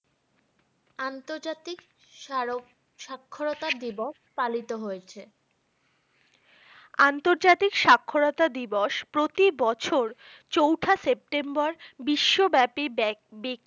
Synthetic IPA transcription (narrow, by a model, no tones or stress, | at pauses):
ant̪oɾd͡ʑat̪ik | o | ʃakʰːoɾot̪ad̪iboʃpalit̪oɦojet͡ɕʰe | ant̪oɾd͡ʑat̪ikʃakʰːoɾot̪ad̪iboʃpɾot̪ibɔt͡ɕʰoɾ | t͡ɕowʈʰasep̚ʈembaɾbiʃːobɛpibek̚